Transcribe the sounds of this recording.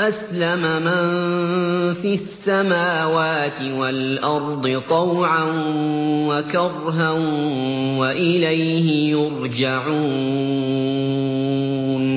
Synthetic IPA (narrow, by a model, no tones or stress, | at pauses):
ʔaslamama | fiasːamaːwaːt̪ɪwalʔɑɾˤd̪ˤɨt̪ˤɑwʕanwakɑrˤɦanwaʔɪlajhɪjʊɾd͡ʒaʕuː | n